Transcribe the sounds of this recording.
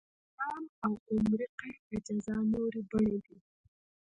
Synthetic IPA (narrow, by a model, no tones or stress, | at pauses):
aːmawqʊmɾiqead͡ʒazɑnoɾibəɽed̪i